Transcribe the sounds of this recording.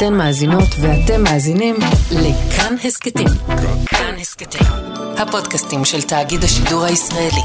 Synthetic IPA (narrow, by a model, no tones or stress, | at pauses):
tenmaːzino̞tveate̞mːaːzinimlekʰanhesketimkanhesketim | hapo̞dkastimʃeltaːɡidhaʃiduʁhaisʁae̞li